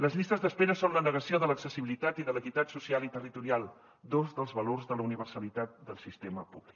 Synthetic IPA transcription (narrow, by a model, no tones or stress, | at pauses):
ləzʎist̪əzðəspeɾəsonlənəɣəsioðələksəsiβilit̪at̪iðələkit̪at̪susialit̪ərit̪uɾialˠ | d̪ozðəlˠzβəlorzðələuniβ̞ərsəlit̪at̪̚d̪əlˠsist̪eməpuβlik